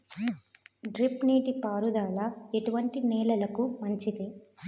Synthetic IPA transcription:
ɖɾipniːʈipaːɾud̪aːlɐeʈuʋɐɳʈinɛːlɐlɐkumɐɲt͡ʃid̪i

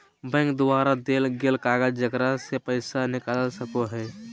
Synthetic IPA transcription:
bɛ̃ːŋkd̪waːɾad̪eːlɡelkaːɡəd͡ʒd͡ʒəkɾasepəɪsanɪkalsəkoɦɛː

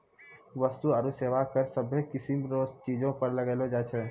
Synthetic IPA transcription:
ʋəst̪uəɾuseːʋakəɾsəbʱekɪsimɾoːzt͡ʃiːd͡ʒõpəɾləɡeːlod͡ʒaːt͡ʃʰɛ

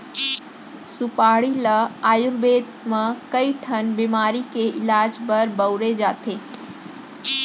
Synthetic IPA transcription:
sʊpaːɽilaaːjʊɾbeːd̪mãkɐiʈʰɐnbimaːɾikeʔɪlaːd͡ʒbɐɾbɐʊɾed͡ʒaːt̪ʰeː

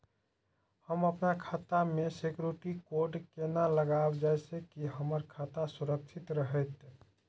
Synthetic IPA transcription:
həməpnakʰaːt̪amesekjuɾiʈikoɾɖkenaləɡabd͡ʒajsekiɦəməɾkʰat̪asuɾək̚t͡ʃʰɪt̪ɾəɦɛt̪

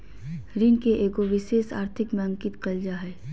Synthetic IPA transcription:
ɾiːnkeʔeːkoʋɪʃeːʃa̰ːɾt̪ʰɪkmẽə̃ŋkɪt̪kəld͡ʒaɦɛː

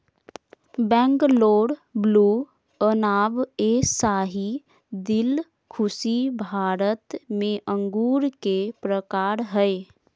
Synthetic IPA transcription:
bɛ̃ːŋkloːɽbluː | ənaːbesaːɦi | d̪ɪl | kʰʊsibʱaːɾət̪mẽʔə̃ŋɡuːɾkepɾəkaːɾɦɛe

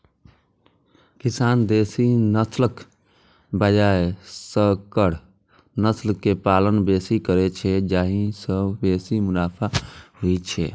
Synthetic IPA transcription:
kisaːnd̪eːsinəslək | bəd͡ʒaesəbkəɽ | nəslkːepaːlənbeːsikəɾɛt͡ʃʰɛd͡ʒaːɦĩsəbbeːsimʊlaːpʰaɦoit͡ʃʰɛ

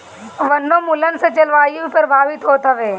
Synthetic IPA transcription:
ʋɐnːõmʊlənset͡ʃɐlʋaːibʱipɾɐbʱaːʋɪt̪ɦoːt̪ɐʋeː

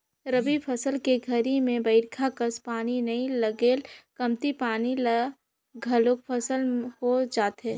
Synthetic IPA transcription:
ɾəbipʰɐsəlkeɡʱɐɾimẽbɐɪɾkʰakəspaːninɐĩlɐɡeːlkɐmt̪ipaːnil | ɡʱɐlok̚pʰɐsəlhod͡ʒaːt̪ɦɛː

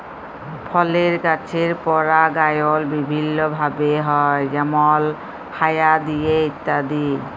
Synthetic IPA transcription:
pʰɔleɾkat͡ɕʰeɾpɔɾaɡajolbibʱinːobʱabeɦɔjd͡ʒɛmɔl | kʰajad̪ijeit̪ːad̪i

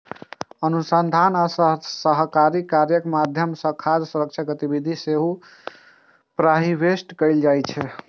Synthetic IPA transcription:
ənusənd̪ʱanasəɦkaɾikaɾjəkmad̪ʱjəmsəkʰad͡ʒsuɾək̚t͡ʃʰaɡət̪ibid̪ʱiseɦu | pɾaɦibesʈkəld͡ʒajt͡ʃʰɛ

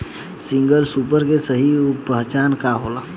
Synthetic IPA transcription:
sɪ̃ŋɡəlsuːpəɾkesəɦipəɦt͡ʃaːnkaɦoːlaː

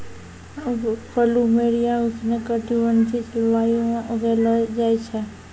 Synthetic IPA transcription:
pʰəlumeɽijãuɡnekəʈiʋənt̪ʰit͡ʃʋajũɡeləd͡ʒajt͡ʃʰe

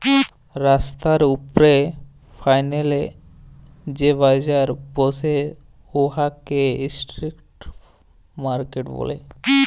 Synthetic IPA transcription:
ɾast̪aɾupɾe | fʰajnele | d͡ʑebajd͡ʑaɾbose | oɦakeisʈɾikʈ | maɾkeʈbo̰lḛ

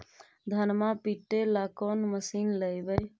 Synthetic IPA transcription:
d̪ʱənmãpiʈːelaːkoːnməsiːnləjbəj

